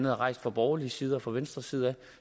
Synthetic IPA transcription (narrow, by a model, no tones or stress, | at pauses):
nðˠæʁɑ̈ɪ̰sd̥fɑ̈b̥ɒːliəsiːð̞ˠɐfɑʋensd̥ʁɐsiːð̞ˠæ